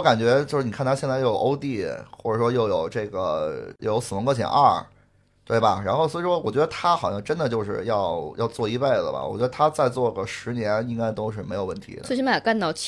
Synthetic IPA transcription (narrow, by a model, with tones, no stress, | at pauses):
ɔ˥ka˨˩nt͡ɕɥɛ˧˥t͡ɕjo˥˧ʊʂɻ̩˥˩i˨˩˥nt̪ʰa˥ɕjnt͡sa˥˧˩jo˥˩jo˨˩˧o˥ʊt̪i˥˩xwɔ̰˥˩ʈ͡ʂə˨˩ʂwɔ˥jo˥˩ʊjo˨˩ʊʈ͡ʂɤ˥˩ɡə̰˩jʊjo˧˥ʊs̩˩ə˧˥ŋkwɔ˥˩t͡ɕʰjɛ̰˨˩nɐ˥˩ | t̪we˥˩ɪbɐ˩ɻa˧˥nxo˥˩swɔ˥˨˧ʂwɔ˥wɔ˨˩t͡ɕɥɛ˧˥d̪ə˧t̪ʰa˥xɑ˨˩ʊjɑ˥˧ŋ˧ʈ͡ʂə˥nd̪ə˨t͡ɕjo˥˧ʊʂɻ̩˥˧jɑ˥˧ʊjʔɑ˥˧ʊt͡swɔ˥˧i˥˧pe˥˩ɪlə̰˩bɐ̰˩wɔ̰˨˩t͡ɕɥɛ˧˥ə˧t̪ʰa˥t͡sa˥˧ɪt͡swɔ˥˩ɡə˩ʂɻ̩˧˥njɛ˧˥ni˥ŋka˥ɪt̪o˥ʊʂ̬ɻ̩˥˩me˧˥ɪjo˨˩ʊwə˥˩nt̪ʰḭ˧˥sm˥˩ja˨˩ka˥˧nt̪ɑ˥˩ʊt͡ɕ